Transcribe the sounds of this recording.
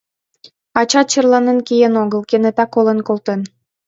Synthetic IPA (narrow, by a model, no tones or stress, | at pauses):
ɑt͡ɕɑt̪̚t͡ɕərlɑnə̆nkijenoɣəlkenet̪ɑkolə̆nkolˠt̪en